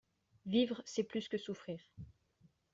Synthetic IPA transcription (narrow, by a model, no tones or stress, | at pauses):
vivʁəsɛplyskəsufχiːʁ